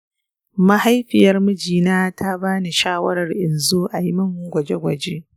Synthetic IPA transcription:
mɐ˦ha˦jɸɪ˨jɐ˦rmɐ˦d͡ʒiː˨naː˦tʰa˦baː˦ni˨ʃaː˦wɐ˦ɾɐ˨rʔɪ˨nzoː˦ʔa˨ji˦mɐ˦ŋ˨ɡʷɐ˨d͡ʒe˦ɡʷɐ˨d͡ʒe˦ʔ

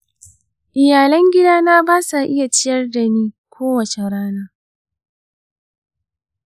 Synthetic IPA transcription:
ʔɪ˨jaː˨lɐ˦ŋɡʲɪ˦daː˦naː˦baː˦sa˨ʔɪ˦ja˨t͡ʃɪ˦jɐ˦rda˨niː˦kʷʰoː˦wɐ˨t͡ʃe˨ɽaː˦naː˦

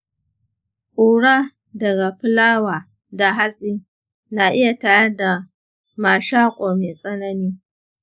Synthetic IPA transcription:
ʔuː˨ɽa˦ | dɐ˨ɡa˨ɸɪ˦laː˦waː˨ | da˨ɦa˦sʼiː˦ | na˨ʔɪ˦ja˨taː˨jɐ˦da˨ | maː˨ʃaː˦kʷʼoː˨meː˨sʼɐ˦nɐ˦niː˦

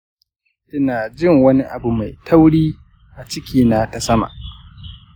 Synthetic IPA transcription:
ʔɪ˦naː˨d͡ʒɪ˦ŋwɐ˦ni˦ʔa˨bu˨ma˨jtʰa˦wɽiː˦ | ʔa˨t͡ʃɪ˦kʲiː˦naː˦ta˨sɐ˦ma̰˨ʔ

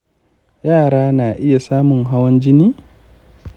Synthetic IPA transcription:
jaː˦˨ɽaː˦naː˨ʔɪ˦ja˨saː˦mʊ˨ŋɦa˦wɐ˦nd͡ʒɪ˦niː˦

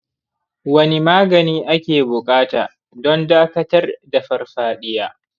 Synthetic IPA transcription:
wɐ˦ni˦maː˦ɡɐ˨niː˦ʔa˦kʲeː˨bʊ˨kʼaː˦taː˨ | dɔ˦ndaː˦kɐ˦tɐ˦rda˨ɸɐ˦rɸaː˦ɗɪ˦jaː˦

